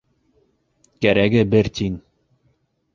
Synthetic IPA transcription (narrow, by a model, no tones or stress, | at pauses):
kæɾæɡɘbɘɾt̪in